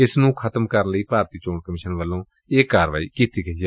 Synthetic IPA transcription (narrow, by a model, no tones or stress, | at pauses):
ɪsnũːkʰət̪əmkəɾənləiːpaːɾt̪iːt͡ʃoːɳkəmɪːʃənʋəlːõː | eːkːaːɾʋaːiːkiːt̪iːkʰəiɛː